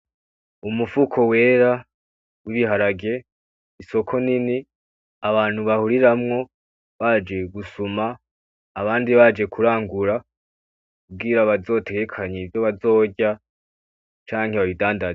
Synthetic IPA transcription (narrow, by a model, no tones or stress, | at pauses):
umufukʰo̞we̞ːɾa | wiβiɦaɾaɡe̞ | iso̞kʰo̞nini | aβaːn̥huβahuɾiɾamŋo̞ | βaːd͡ʒe̞ɡusumaː | βaːndiβad͡ʒe̞kʰuɾaːŋɡuɾa | kkub̚ɡiɾaβazo̞ːte̞ɡe̞kʰaɲevjo̞βazo̞ːɟa | t͡ʃaːŋheβaβidaːndaz